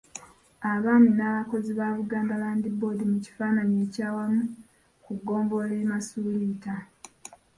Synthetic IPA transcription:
aβaːminaːβako̞ziβaːβuɡaːmdalaːndibo̞ːdimuci̥faːnaɲeːcaːwamu | kuɡo̞ːmbo̞leːmasuːlita

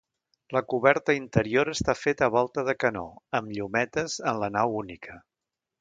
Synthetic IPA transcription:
ləkuβɛɾt̪əint̪əɾioɾəst̪afet̪əβ̞ɔlˠt̪əðəkənɔ̰əmʎumɛt̪əzənlənawunikʰə

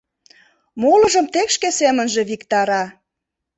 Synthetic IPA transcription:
molɤ̆ʒəmt̪ekʃkesemə̆nʒe̽βikt̪ɑɾɑ

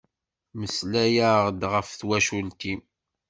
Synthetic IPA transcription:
məslæjaʁd̪ʁəfθwæʃult̪i

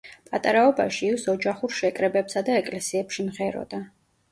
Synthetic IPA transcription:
pʼat̪ʼaɾaɔba̰ʃiːsɔd͡ʒaχuɾʃɛkʼɾɛbɛpsad̪aɛkʼlɛsiɛpʃimʁɛɾɔ̰d̪̥a

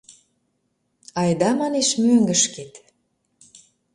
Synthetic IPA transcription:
ɑjd̪ɑmɑneʃmøŋɡəʃket̪

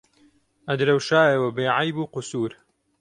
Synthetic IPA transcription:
ʔɐd̪ɾɐwʃaːjɐwɐbeːʕajbuːqʊsuːɾ

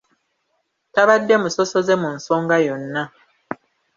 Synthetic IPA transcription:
taβadːe̞musosozemunsoːŋɡajonːa

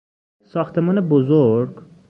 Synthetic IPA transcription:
sɒːxt̪ʰemɒːnebozoɾɡ

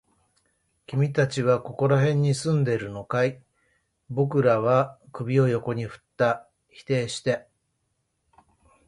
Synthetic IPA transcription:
kʲimʲit̪at͡ɕiβako̞ko̞ɾaɦẽ̞ɲ̟ːisɨ̃nd̪e̞ɾɯ̟no̞kai | bo̞kɯ̟ɾaβ̞akɯ̟bʲio̞jo̞ko̞ɲ̟iɸɯ̟̥t̪ːa | çi̥t̪e̞ːɕi̥t̪e̞

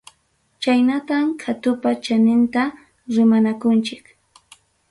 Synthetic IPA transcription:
t͡ʃajnat̪amkʰat̪ʊpat͡ʃanɪnt̪a | ɾɪmanakʊnt͡ʃɪk

